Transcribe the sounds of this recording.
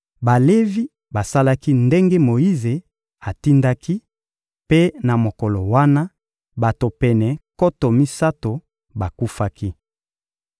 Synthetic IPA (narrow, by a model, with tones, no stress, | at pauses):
ba˨le˦vi˦ | ba˨sa˦la˦ki˦nde˦ŋɡe˦mo˨ji˦ze˨ | a˨ti˦nda˦ki˦ | pe˦na˨mo˨ko˨lo˨wa˦na˦ | ba˨to˨pɛ˨nɛ˨ko˦to˨mi˦sa˦to˨ | ba˨ku˦fa˦ki˦